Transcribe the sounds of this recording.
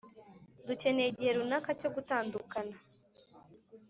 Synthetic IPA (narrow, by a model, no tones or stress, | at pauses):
duce̞ne̞ɟihe̞ɾunakaco̞ɡutaːndukana